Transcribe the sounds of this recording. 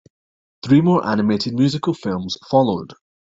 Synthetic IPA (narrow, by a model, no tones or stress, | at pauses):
θɹiːmɔːɹʔa̰nɪmeʔɪd̚mjʉːzɪkəlˠfɪlˠmz̥fɔlˠo̰d̥